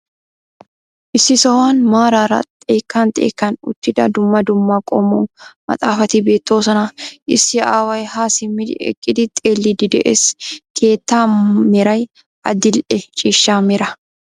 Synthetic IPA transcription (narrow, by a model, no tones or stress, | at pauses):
ʔɪsɪsɐwaːnmaːɾaːɾɐ̰t̪ʼeːkːaːnt̪ʼḛːkːɐnʊ̰t̪ːɪd̪ɐd̪ʊmːɐd̪ʊmːakʼɔmuːmɐ̰t̪ʼaːfɐt̪ibeːt̪ːoːsɐnaʔɪsːɪʔaːwɐjhaːsɪmːɪd̪̰ɛ̰kʼːɪd̪ɪt̪ʼeːlːid̪ɪd̪ɛʔeskʰe̞ːt̪ːaːmɪɾɐj | ʔɐd̪ɪlʔɛt͡ʃʼɪʃːaːmɪɾɐ